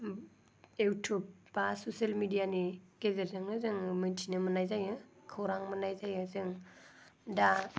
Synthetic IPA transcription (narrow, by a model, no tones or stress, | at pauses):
ewtʰop̚basosalmidijaniɡezeɾzɯŋɯzɯŋmɯntʰinɯmənajzajɯkʰowɾaŋmənajzajɯzɯŋ | da